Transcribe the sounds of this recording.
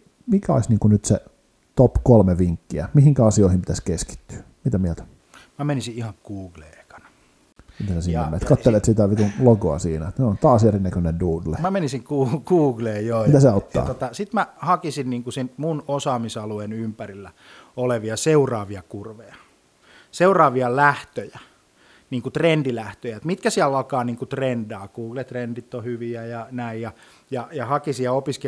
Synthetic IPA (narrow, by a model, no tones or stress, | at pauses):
mikæo̰isniːŋkunyt̪se | t̪opkolmeʋiŋkːiæ̰mihiŋkæɑsioˑihimpit̪æskeski̥t̪ːy̥ːmit̪æmiæt̪æ̥ | mæmenisiihɑŋɡ̥uːɡ̥lḛːeikɑ̥nɑ | mit̪æsesiːnːemḛnːt̪kɑt̪ːelet̪sit̪æʋit̪unloɡoɑ̰siːnæt̪neont̪ɑːsjerinːækønenduːdlemæmenisiŋkuːkuːɡleːjoːmit̪æseot̪ːɑ̰ːt̪ot̪ɑsit̪mæhɑkisinniːŋkusinmunosɑːmisɑluenympærilːæ | oleʋiɑseurɑːʋiɑkurʋejɑ | seurɑːʋiɑlæht̪øjæ | niːŋkut̪rendilæht̪øjæet̪mit̪̚kæsiælːɑlkɑːniːŋkut̪rendɑːkuːɡ̥let̪rendit̪ːohyʋiæjɑnæijjɑ | jɑjɑhɑkisijjɑopiske